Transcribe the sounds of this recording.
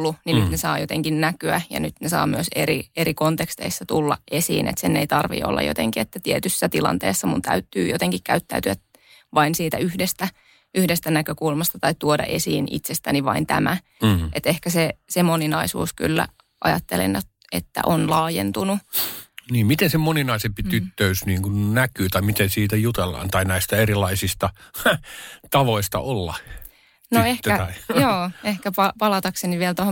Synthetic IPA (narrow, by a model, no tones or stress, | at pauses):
lːuninyt̪nesɑːjot̪eŋkinnækyæjɑ̰nyt̪nesɑ̰ːmyøseɾieɾikont̪ekst̪eisːɑt̪ulːɑʔe̞sḭːnḛt̪senːeit̪ɑrʋḭo̰lːɑ̰jot̪eŋkiet̪ːæt̪iet̪ysːæt̪ilɑ̰nt̪ḛːsːɑmunt̪æ̰yt̪ːyːjot̪eŋkikkæyt̪ːæyt̪yæ | ʋɑinsiːt̪æyhdest̪æ | yhdest̪ænækøkulmɑst̪ɑt̪ɑit̪t̪uodɑ̰ʔe̞siːnḭt̪sest̪æniʋɑint̪æmæ | ʔet̪ehkæsesemoninɑisṵːsky̰lːæ̰ | ʔɑ̰jɑ̰t̪ːelḛnjot̪ | ḛt̪ːæ̰ʔonlɑːjḛnt̪unu | niːmmit̪ensemoninɑisempit̪yt̪ːøysniːŋkunnækˑyːt̪ɑimit̪ensiːt̪æjut̪elːɑ̰ːnt̪ɑinæist̪æerilˑɑisist̪ɑ | t̪ɑʋoist̪ɑ̰olːɑ̰ | noehæjoːehkæpɑpɑlɑt̪ɑkseniʋielt̪oho